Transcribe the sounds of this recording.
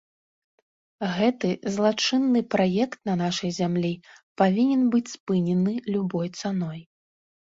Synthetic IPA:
ɣɛt̪ɨzlˠat͡ʂɨnːɨpɾajɛkt̪̚nɐnaʂɐjzʲamlʲipavʲinʲɛnbɨt͡sʲspɨnʲɛnɨlʲubɔjt̪sanɔj

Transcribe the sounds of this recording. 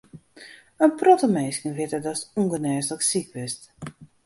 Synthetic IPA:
ənprɔtəmeːskənʋɪtədɔsuŋɡənɛːsləksikʋɪst

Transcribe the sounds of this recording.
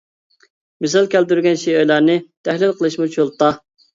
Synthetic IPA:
mɪsælkʲæld̪yɾɡʲɛnʃijøjlˠæɾnɨt̪ʰæhlɪlˠqʰəlˠɨʃmut͡ʃʰulˠt̪ɑ

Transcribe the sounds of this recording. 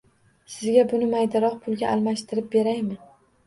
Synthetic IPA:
sɪzɡʲabʊnɪmajd̪aɾɒqpʰʊlˠɡʲaʔːlˠmaʃt̪ʰɪɾɪp̚be̞ɾajmɪ

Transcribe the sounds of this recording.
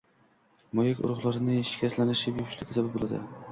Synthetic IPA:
mɒjakʲʊ̰ɾʊʁlˠaɾɪnɪʃɪ̥kʲʰaslanɪʃɪbjʊpʰɪ̥ʃlɪkʲɪzʰabɪbolˠad̪ɪ̰

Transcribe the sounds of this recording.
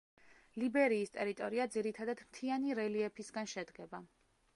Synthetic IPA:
libɛɾiːst̪ʼɛɾit̪ʼɔɾiad̪ziɾit̪ʰad̪ad̪mt̪ʰianiɾɛliɛpʰisɡanʃɛd̪ɡɛba

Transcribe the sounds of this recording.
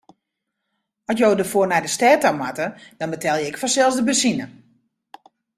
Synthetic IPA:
ɔsjowdərfoːnadəstɛːtamatəd̥ɔnbətʰɛlˠjəɪkfɔnsɛlˠsdəbəsinə

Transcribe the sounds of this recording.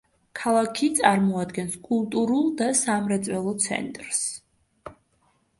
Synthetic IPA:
kʰalˠakʰit̪sʼaɾmɔad̪ɡɛnskʼulˠt̪ʼuɾulˠd̪asamɾɛt̪sʼwɛlˠɔt̪sʰɛ̰nt̪ʼɾs

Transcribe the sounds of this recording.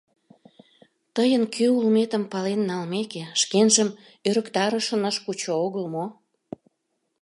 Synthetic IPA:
t̪əjənkʰøulmet̪əmpɑlenːɑlmekeʃkenʒəm | øɾə̆kt̪ɑɾəʃənəʃkut͡ɕooɣəlmo

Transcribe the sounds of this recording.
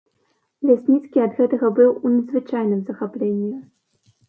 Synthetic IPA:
lʲasʲnʲit̪skʲiɐd̪ɣɛt̪ɐɣɐbɨwunʲɐd̪zvɨt͡ʂajnɨmzɐxaplʲenʲːi

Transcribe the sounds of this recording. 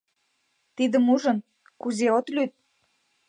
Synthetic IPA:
t̪id̪ə̆muʒə̆n | kuzeot̪lyt̪̚

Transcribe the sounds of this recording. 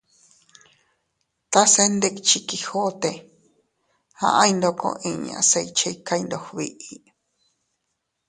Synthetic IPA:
t̪asend̪ekt͡ʃikihot̪e | hã̰ʔãjnd̪okõ̰ʔĩɲ̰̃a̰seit͡ʃʰeikaind̪ohβiʔi

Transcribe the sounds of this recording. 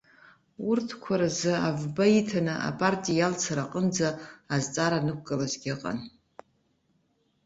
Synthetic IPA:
urtʰkʷʰaɾazɨavbaitʰanɨʔa̰pʼartʼijalt͡sʰaɾaqʼənd͡zaːzt͡sʼaɾanɨk̚ʷʰʼkʼalazɡʲɪqʼa̰n

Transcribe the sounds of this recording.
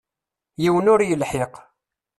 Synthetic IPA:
jiwənʊɾjəlħɪq

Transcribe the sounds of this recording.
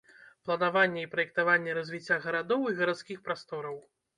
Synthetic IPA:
plˠɐnavanʲːɛipɾɐjɛk̚t̪avanʲːɛɾɐzʲvʲit͡sʲːaɣɐɾad̪ɔwiɣɐɾat̪skʲixpɾast̪ɔɾɐw

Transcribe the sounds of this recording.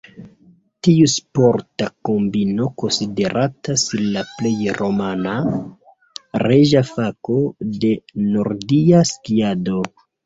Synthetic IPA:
tiuspoɾtakombino̞ko̞nside̞ɾʔatasinlaple̞jɾo̞mana | ɾeʒafakode̞no̞ɾdiaskiado̞

